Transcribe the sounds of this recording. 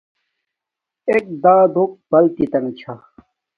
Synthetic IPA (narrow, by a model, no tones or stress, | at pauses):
ek̚d̪aːd̪ʱok̚bɐlt̪it̪ɐŋt͡ɕʰa